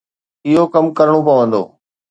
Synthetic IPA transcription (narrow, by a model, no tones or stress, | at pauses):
ɪɦokɐmkəɾəɽ̃opɐʋə̃nd̪o̰ː